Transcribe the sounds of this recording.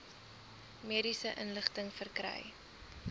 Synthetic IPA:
miəɾisəʔənləχtəŋfərkrɛ̰j

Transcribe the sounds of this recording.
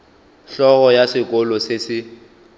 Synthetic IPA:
ɬɔɣɔjasɪkʼɔlɔsɪsɪ

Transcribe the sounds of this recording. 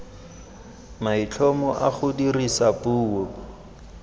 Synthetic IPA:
mait͡ɬʰɔmɔʔa̰χʊdirisapuːɔ

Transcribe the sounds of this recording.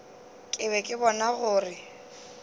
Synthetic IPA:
kʼɪβɛkʼɪbɔnaɣʊːrɪ

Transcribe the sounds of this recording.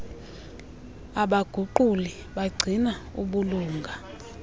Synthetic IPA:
aɓaɡ̥ʱuǃuli | ɓaɡ͡ǀʱinaṵɓuluːŋɡʱa

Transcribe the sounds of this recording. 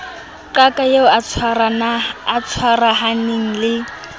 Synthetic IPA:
ǃakʼajeʊat͡sʰwaranaːt͡sʰwaraɦaneŋ̩lɪ

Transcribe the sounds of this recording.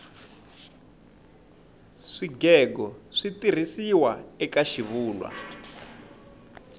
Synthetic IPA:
ʂiɡɛɡɔʂitir̤isiwaɛkaʃiβuːlwa̰

